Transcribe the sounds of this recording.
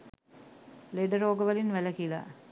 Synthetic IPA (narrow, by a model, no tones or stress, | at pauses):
leɖəɾoːɡəʋəlinʋæləkila̰